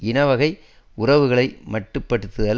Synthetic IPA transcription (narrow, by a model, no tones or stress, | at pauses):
ɪnɐʋɐɣɐɪ | ʊrɐʋɯɣɐɭɐɪmɐʈrɯpːɐɽɯt̪ːɯðɐl